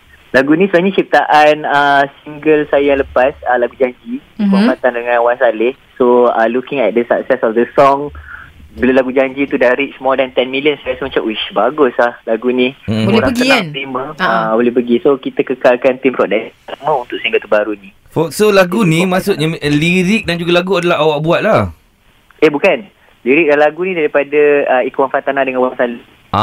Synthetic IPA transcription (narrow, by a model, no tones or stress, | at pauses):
laɡunĩsunaɲət͡ʃip̚t̪aʔanəsiŋɡəlsajaləpasəlaɡud͡ʒaɲd͡ʒibamãt̪andəŋãnwansalɪhsoalukɪ̃ŋɛt̪̚dəsap̚sɛsɔfdəsɔŋ | bəlolaɡud͡ʒaɲd͡ʒit̪udaɾiʔsmɔdɛnt̪ɛnmilijənsaasəmat͡ʃamwit͡ʃbaɡʊslahlaɡunibolɛlapəɡaant̪iməabolɛhpəɡisokit̪əkəkalkant̪impɾɔdakaʔmə̃unt̪ʊʔ̚səĩŋɡat̪ubaɾuni | fɔsolaɡunĩmasʊʔ̚ɲaliɾɪk̚dand͡ʒuɡalaɡuadalaɦawaʔbuat̪̚lah | ehbukan | liɾik̚danlaɡunĩdaɾipadaəikuwanfat̪anadəŋãnwaŋsal | ʔa̰